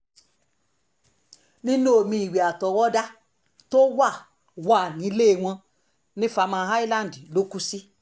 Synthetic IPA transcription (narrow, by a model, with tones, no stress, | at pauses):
nĩ˦nũ˦o˨mĩ˧i˨we˨a˨tɔ˨wɔ˦da˦ | to˦wa˦˨ | wa˦˨nĩ˨˦le˦˧˨w̃ɔ̃˧ | nĩ˦fa˧mã˧ɦa˦i˦lã˦˨n˨di˨lo˦ku˦si˦